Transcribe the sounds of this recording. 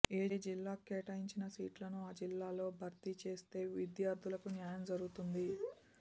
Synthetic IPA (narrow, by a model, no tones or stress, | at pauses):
eːd͡ʒilːaːkeːʈɐjiɲt͡ʃinɐsiːʈlɐnuaːd͡ʒilːaːlo̞ːbʱɐɾt̪it͡ʃe̞ːst̪e̞ːʋid̪jaːɾd̪ʱulɐkunjaːjɐmd͡ʒɐɾuɡut̪und̪i